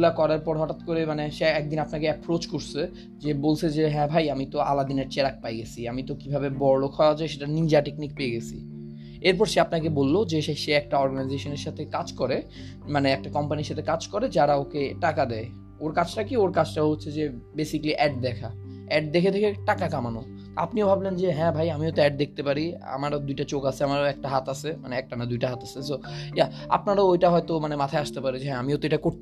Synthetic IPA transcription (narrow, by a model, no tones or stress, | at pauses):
ulakɔɾaɾpɔɾɦɔʈat̪koɾemaneʃeɛk̚d̪inapnakeɛpɾot͡ɕkoɾsʰe | d͡ʑebolt͡ɕʰed͡ʑeɦɛ̃bʱajamit̪oa̰lad̪ineɾt͡ɕeɾak̚pajɡet͡ɕʰiamit̪okibʱabebɔɾolokʰɔead͡ʑʰaeʃ̬eʈanind͡ʑaʈeknik̚peeɡet͡ɕʰḭ | eɾpɔɾʃeapnakebolːod͡ʑeʃeʃeɛk̚ʈaɔɾɡanaijzeʃoneɾʃat̪ʰekad͡ʑkɔɾe | maneɛk̚ʈakɔmpaniɾʃat̪ʰekad͡ʑkɔɾed͡ʑaɾaokeʈakad̪ɛe | oɾkat͡ɕʰʈakioɾkad͡ʑʰʈaɦotːɕʰed͡ʑebesikliʔɛɖ̚d̪ɛkʰa | ɛɖ̚d̪ekʰet̪ʰekʰeʈakakamano | a̰pniobʱablend͡ʑeɦɛ̃bʱajamiot̪oɛɖ̚d̪ek̚t̪epaɾia̰maɾd̪ujʈat͡ɕokasʰeamaɾɛk̚ʈaɦat̪asʰema̰neɛk̚ʈanad̪ujʈaɦat̪asʰesoja | a̰pnaɾaojʈaɦɔet̪omanemat̪ʰaeaʃt̪epaɾid͡ʑeɦɛ̃amiot̪oeʈakoɾ